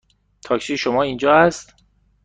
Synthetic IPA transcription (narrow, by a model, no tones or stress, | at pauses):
t̪ʰɒːcʰsiːʃomɒːiːnd͡ʒɒːæst̪